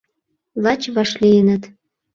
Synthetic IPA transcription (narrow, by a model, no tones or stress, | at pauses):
lˠɑt͡ɕβɑʃlijənə̆t̪